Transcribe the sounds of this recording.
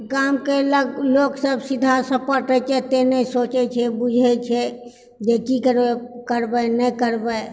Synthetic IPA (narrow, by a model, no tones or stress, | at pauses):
kamkeləɡloːksəbsid̪ʱasəpəɾʈɛt͡ʃʰɛt̪enəsoːt͡ʃɛt͡ʃʰɛbud͡ʒʱɛt͡ʃʰɛ | d͡ʒekikəɾekəɾbənɛkəɾbə